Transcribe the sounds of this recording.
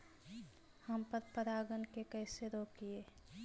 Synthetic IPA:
həmpəɾpəɾaːɡənkekɛɪseɾoːkieː

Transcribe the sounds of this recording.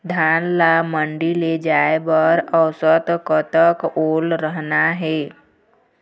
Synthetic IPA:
d̪ʱaːnlamə̃ɳɖiled͡ʒaːebəɾəʊsət̪kət̪əkoːlɾəɦnaɦɛː

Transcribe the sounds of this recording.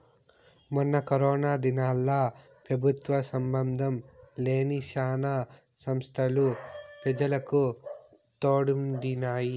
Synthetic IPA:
mɐnːɐkɐɾɔːnaːd̪inaːlːa | pɾɐbʱut̪ʋɐsɐmbɐnd̪ʱɐmleːniʃaːna | sɐmst̪ʰɐlupɾɐd͡ʒɐlɐku | t̪oːɽumd̪inaːji

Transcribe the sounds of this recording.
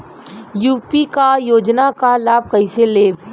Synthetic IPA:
juːpikajoːd͡ʒnakalaːb̚kɐiseleː

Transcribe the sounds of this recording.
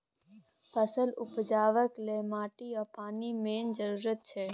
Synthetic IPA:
pʰəsəlʊpd͡ʒaːʋəklemaːʈiapaːnimeːnd͡ʒəɾuːɾət̪̚t͡ʃʰeː

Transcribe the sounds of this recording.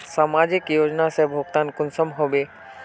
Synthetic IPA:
samad͡ʒikjod͡ʒnasɛbʱoɡt̪ankʊnsəmɦobe

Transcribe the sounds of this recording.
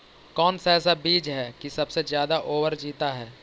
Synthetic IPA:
kɔːnsaɛːs̬abiːd͡ʒɦɛːkisɐbsezjaːd̪aʔoːʋəɾd͡ʒiːt̪aɦɛː

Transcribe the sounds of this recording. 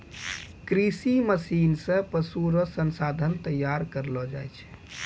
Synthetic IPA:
kɾisiməsinsə̃pəsuɾɔsənsad̪ʱənt̪əjːaɾkəɾlɔd͡ʒajt͡ʃʰ

